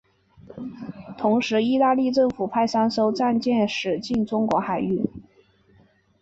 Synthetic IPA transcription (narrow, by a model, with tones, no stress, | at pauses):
t̪ʰʊ˧˥ŋʂɻ̩˧˥i˥˧t̪a˥˧li˥˧ʈ͡ʂɤ˥˩ŋfu˨˩pʰa˥˩ɪsa˥nʂo˥ʊt͡sa˥˧nt͡ɕjɛ˥˩nʂɻ̩˨˩t͡ɕi˥˩nʈ͡ʂʊ˥ŋkwɔ˧˥xa˨˩ɪy˥˩